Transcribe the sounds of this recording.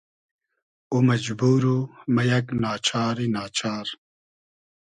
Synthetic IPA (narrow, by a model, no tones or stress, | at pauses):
umɐd͡ʒbuːɾumɐjɐknaːt͡ʃʰaːɾinaːt͡ʃʰaːɾ